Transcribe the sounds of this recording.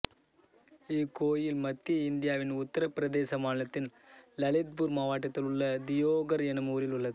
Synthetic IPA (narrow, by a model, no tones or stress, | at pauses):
ɪkːoːjɪlmɐt̪ːiɪnd̪ɪjaːʋɪnʊt̪ːɐɾɐpɪɾɐðeːsɐmaːnɪlɐt̪ːɪn | lɐlɪt̪̚buɾmaːʋaːʈːɐt̪ːɪlʊɭːɐd̪ɪjoːɣɐɾɛnɐmuːɾɪlʊɭːɐðɯ